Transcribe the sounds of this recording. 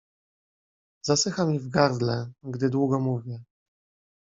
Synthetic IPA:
zasɘxamʲivɡaɾd̪lɛɡd̪ɘd̪wuɡɔmuvʲjɛ

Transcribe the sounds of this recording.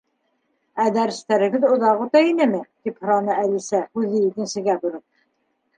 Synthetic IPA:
æd̪æɾɘ̆st̪æɾɘ̆ɡɘðŏðɑqut̪ɑinɘmɘt̪iphŏɾɑnɤælisæhʉðɘjĭk̪ɘ̆nsɘ̆ɡæbŭɾɤp̚

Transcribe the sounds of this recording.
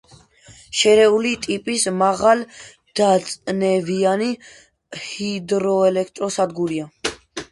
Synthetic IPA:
ʃɛɾɛulit̪ʼipʼismaʁal | d̪̥at̪sʼnɛviani | hid̪ɾɔɛlɛkʰt̪ʼɾɔsad̪ɡuɾia

